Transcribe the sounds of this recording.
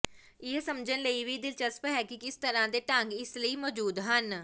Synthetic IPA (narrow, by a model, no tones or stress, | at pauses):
ɪsəmd͡ʒənləiːʋiːd̪ɪlt͡ʃəspɦɛːkikɪst̪əɾãːd̪eːʈəŋɡɪsləiːmɔːd͡ʒuːd̪ɦən